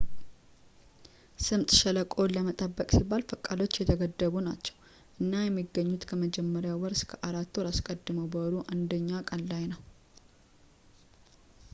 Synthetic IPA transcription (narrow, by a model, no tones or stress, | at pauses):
sɨmt̪ʼʃələkʼo̞lːəmət̪ʼəbːəkʼsibːalfəkʼːalo̞t͡ʃːjɛt̪ʰəɡəd̪ːəβunat͡ʃːɛ̥w | ʔɨnːajɛmːiɡːəɲːut̪kʰəməd͡ʒɛmːəɾɪjawɔɾskʰəʔaɾat̪ːoɾaskʼəd̪ːɨməwbəwɾuʔand̪əɲːakʼəllajnəw